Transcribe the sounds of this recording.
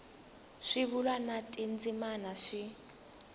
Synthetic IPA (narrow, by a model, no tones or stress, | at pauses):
ʂiβulwanatʼind͡zimanaʂi